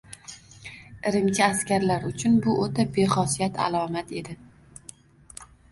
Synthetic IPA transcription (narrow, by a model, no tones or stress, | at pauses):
ɪɾɪmt͡ʃʰɪaskʲaɾlaɾʊt͡ʃʰʊnbʊʔot̪ʰabe̞χɒsijat̪ʰa̰lˠɒmat̪e̞d̪ɪ